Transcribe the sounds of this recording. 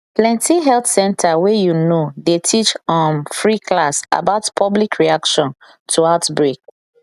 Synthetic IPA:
plɛ̃ntiɦɛltsɛ̃ntʰawɛjunodetʰit͡ʃɔ̃mfɹikʰlasa̰baʊtpʰɔblikʰɹiakʃɔ̃n | tʰuaʊtbɹek̚

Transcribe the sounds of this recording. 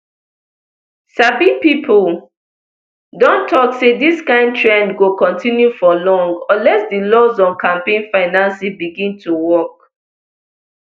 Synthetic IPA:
sabipipʰol | dɔ̃ntʰɔksediskãɪ̃nd̚tʰɹɛ̃ndɡokɔ̃ntʰĩnjufɔlɔ̃ŋɡɔlɛsdilɔzɔ̃nkʰãmpẽɪ̃nfaɪnãnsibiɡĩntʰuwɔk̚

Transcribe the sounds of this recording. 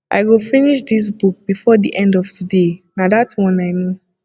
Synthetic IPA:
ʔa̰ɪɡofiniʃdis̬buk̚b̥ifɔdiʔɛ̃ndɔvtudenadatwɔ̃naɪno

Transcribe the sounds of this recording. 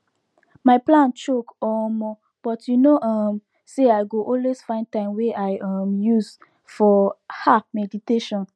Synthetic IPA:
maɪplãnt͡ʃokɔmɔ | b̥ɔtʰjunoʔɔm | seaɪɡoʔɔlwez̥fãɪ̃nd̚tãɪ̃mwɛʔaɪɔmjuz | fɔhafmɛditeʃɔ̃n

